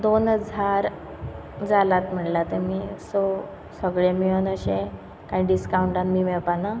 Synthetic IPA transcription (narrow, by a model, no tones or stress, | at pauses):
d̪onəd͡zʱaɾ | d͡zalat̪m̤əɳlat̪əmiːso | səɡɭemiənəɕẽ | kãĩɖiskauɳʈãnmiːʋɛɭpana